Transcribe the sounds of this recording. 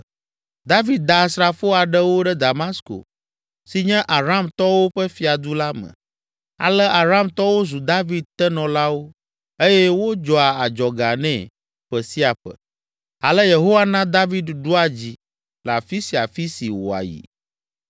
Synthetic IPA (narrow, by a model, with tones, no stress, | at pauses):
d̪a˦vi˦d̪̚d̪a˨sɾa˨fo˦a˨ɖɛ˦wo˦ɖɛ˦d̪a˨ma˦sko̰˨ | si˨ɲɛ̃˦ʔa˨ɾa˦˨mt̪ɔ˦wo˦ɸɛ˦fi˨a˨d̪u˦la˦mɛ̰̃˨ | a̰˨lɛ˦a˨ɾa˦˨mt̪ɔ˦wo˦zu˨d̪a˦vi˦d̪̚t̪ɛ˦nɔ̃˨la˦wo˦ | e˦jɛ˦wo˦d͡ʒɔ˨a˨a˨d͡ʒɔ˨ɡa˨nɛ̰̃˨ | ɸɛ˨si˦a˨ɸə̰˨ | a̰˨lɛ˦je˨ɦo˦wa˦nã˦d̪a˦vi˦d̪ɖu˦a˨d͡ʑi˨ | la˨fi˦si˨a˨fi˦si˨wo̰˨a̰˨jḭ˨